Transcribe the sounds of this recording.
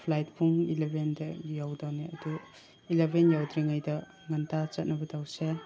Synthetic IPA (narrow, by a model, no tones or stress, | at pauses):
pʰlajt̚bʰuŋilebʱendɐjawdawniɐdu | ilebʱenjawdɾiŋajdɐ | ŋɐntʰat͡ʃɐt̚nɐbɐdawse